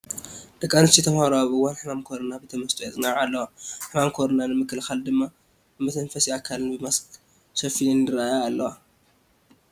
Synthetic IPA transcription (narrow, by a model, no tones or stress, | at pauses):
d̪̥ɐkʼːanɨst͡ʃ̪it̪ʰɐmhaɾoaβɨwːanħɨmamkʰo̞ɾɐnabet̪ʰɐmɐst̪ʼojɛt͡sʼɨnaʕalːɐwaħɨmamkʰoɾonanɨmɨkːɨlxald̪ɨmːa | mɐt̪ʰɐnfɐsiakʰːalɨnbɨmɐsk | sɐfilɨnɨɾaajaalːɐwa